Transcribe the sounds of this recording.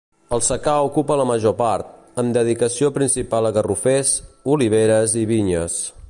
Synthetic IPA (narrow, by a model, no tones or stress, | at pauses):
əlˠsəkaukupələməʒopaɾt̪̚ | əmd̪əðikəsiopɾinsipalˠəɣərufezuliβ̞eɾəziβiɲəs